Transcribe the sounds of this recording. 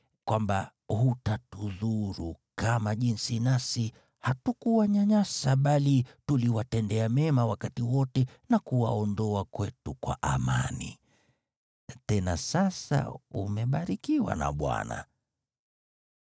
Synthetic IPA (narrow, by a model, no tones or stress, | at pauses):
kwamba | hutatuðuɾukamaʄinsinasi | hatukuwaɲaɲasaɓalituliwatɛndɛamɛmawakatiwɔtɛnakuwaɔndɔakwɛtukwa̰ʔama̰nḭ | tɛnasasa̰ṵmɛɓaɾikiwa̰na̰ɓwa̰na̰